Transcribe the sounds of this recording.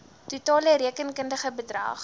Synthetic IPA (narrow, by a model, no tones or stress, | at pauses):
tutɑːləɾiəkənkəndəχəbədrɐ̰ːχ